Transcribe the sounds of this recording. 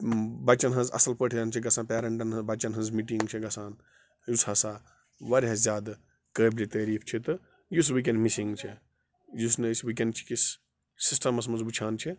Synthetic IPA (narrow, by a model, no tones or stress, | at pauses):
bɐt͡ʃɐnɦɐ̃nzɐ̰sɐlpəːʈʰjaːnt͡ʃʰiɡɐsaːnpeːɾɐɳʈɐnɦɐ̃zbɐt͡ʃɐnɦɐ̃nzmiːʈiŋɡt͡ʃʰiɡɐsaːn | jusɐsa | ʋɐɾɦɐzʲjaːd̪ | kəːblit̪ɐːɾiːpʰt͡ʃʰit̪ɐ | jus̬wik̬enɖmisiŋɡt͡ʃʰi | jusnɐswik̬enɖ̚t͡ʃʰi̥kisː | isʈɐmɐs̬mɐnzbut͡ʃʰaːnt͡ʃʰi